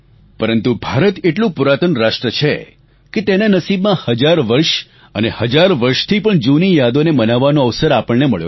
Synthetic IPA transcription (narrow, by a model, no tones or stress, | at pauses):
pəɾənt̪ubʱaɾət̪eʈlũpuɾat̪ənɾaʃʈɾət͡ʃʰe | ket̪enanəsibmãhəd͡ʒaɾʋəɾʃ | ənehəd͡ʒaɾʋəɾʃt̪ʰipəɳd͡ʒunijad̪onemənaʋːanoəʋsəɾapəɭneməɭjo̰